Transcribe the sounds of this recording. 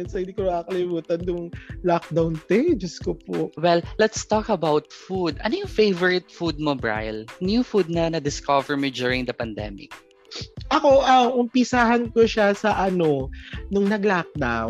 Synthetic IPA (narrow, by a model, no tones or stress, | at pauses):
ɛnsɐɪd̪ikomɐaːɐkɐlɪmuːt̪ɐnjʊŋlak̚d̪awnt̪ɛd͡ʒɐskopoʔwɛllɛt̪st̪ɔkɐbawt̪̚fud̪ɐnojʊŋfejvɔɹɪt̪fud̪̚mobɹa̰jlnjufud̪̚nɐnɐd̪ɪskɔvɛɹmid͡ʒuɹɪŋd̪ɐpɐnd̪ɛ̰mɪ̰k̚ | ʔɐko̞ʔɐʔʊmpɪsaɦɐnkoʃasɐʔɐnonʊŋnɐɡlak̚d̪aw